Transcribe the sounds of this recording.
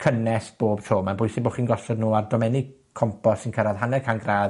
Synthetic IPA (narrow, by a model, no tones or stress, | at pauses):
kʰənɛsb̥oːbtʰoːmanbʊjsɪboːχiːnɡɔsɔdnuːardɔmɛnɪ | kʰɔmpʰɔsɪnkʰəɾaðɦanɛkʰanɡraːð